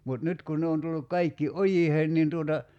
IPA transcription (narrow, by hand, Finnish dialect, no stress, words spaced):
mut nyt kun ne on tulːuk kɑikːi ʔojiheːn nin tuotɑ